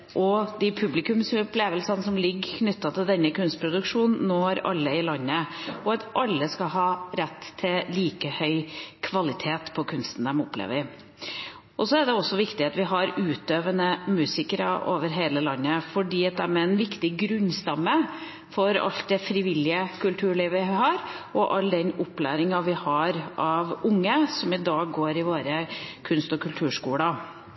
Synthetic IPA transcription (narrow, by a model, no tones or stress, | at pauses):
ʔɔd̪ɪpʰʉblɪkʉmsɔpleːʋəlsɑnəsɔmlɪɡːkʰnʏt̪ːɑt̪ʰɪld̪ɛnːəkʉnst̪pʰɾʊd̪ʉkʂuːnn̩ːoːæɾɑ̰lːəɪlɑnːəɔɑt̪ʔɑlːəskɑɦɑːɾɛt̪ʰːɪliːkəhœʏkʰʋɑlɪt̪ʰeːt̪pʰɔkʰʉnst̪n̩d̪ɛmɔpːlḛːʋə | ʔɔsɔæd̪ɛɔsːɔʋɪkt̪ɪɑt̪ʋɪɦɑɾʉːt̪øːʋənəmʉːsɪkəɾɑʔoːʋəɾɦeːləlɑnːəfɔɖiːɑt̪̚d̪æmɛɛnʋɪkt̪ɪɡɾʉnːst̪ɑmːə | fɔɾɑ̰lt̪̚d̪ɛfɾɪʋɪlːɪəkʉlt̪ʰʉːɭiːʋɪɦɑɾ | ɔʔɑlːd̪ɛnɔpːlæ̰ːɾɪŋɑʋɪhɑɾʔɑʋʊŋːəsɔmɪd̪ɑːɡɡoːɾɪʋoːɾəkʰʉnst̪ɔkʰʉlt̪ʰʉːʂkuːlə